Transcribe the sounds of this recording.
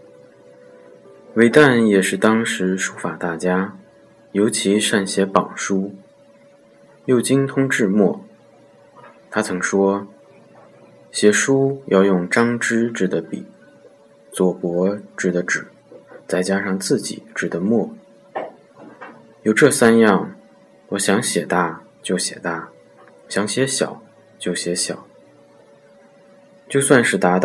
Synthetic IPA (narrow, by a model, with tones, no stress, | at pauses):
we˧˥ɪt̪a˥˩njɛ˨˩ʂɻ̩˥˩t̪ɑ˥ŋʂɻ̩˧˥ʂu˥fa˨˩t̪a˥˩t͡ɕja˥ | jo˧˥ʊt͡ɕʰi˧˥ʂa˥˩nɕjɛ˧˥pɑ˨˩ŋʂu˥ | jo˥˩ʊt͡ɕi˥ŋt̪ʰʊ˥ŋʈ͡ʂɻ̩˥˧mwɔ˥˩ | t̪ʰa˥t͡sʰɤ˧˥ŋʂwɔ˥ | ɕjɛ˧˥ʂu˥jɑ˥˧ʊjʊ˥˩ŋʈ͡ʂɑ˥ŋʈ͡ʂɻ̩˥ʈ͡ʂɻ̩˥˩d̪ə˦pḭ˨˩˦ | t͡swɔ˨˩pwɔ˧˥ʈ͡ʂɻ̩˥˩d̪ə˦ʈ͡ʂɻ̩˨˩˦ | t͡sa˥˩ɪt͡ɕja˥ʂɑ˥˧ŋt͡sɹ̩˥˩t͡ɕḭ˨˩˦ʈ͡ʂɻ̩˥˩d̪ə˦mwɔ˥˩ | jo˨˩ʊʈ͡ʂɤ˥˩sa˥njɑ˥˩ŋ | wɔ˧˥ɕjɑ˧˥ŋɕjɛ˨˩t̪a˥˩ | t͡ɕjo˥˩ʊɕjɛ̰˨˩t̪a˥˩ | ɕjɑ˧˥ŋɕjɛ˧˥ɕjɑ̰˨˩˦ʊ | t͡ɕjo˥˩ʊɕjɛ˧˥ɕjɑ˨˩˦ʊ | t͡ɕjo˥˧ʊswa˥˧nʂɻ̩˥˩t̪a˧˥t̪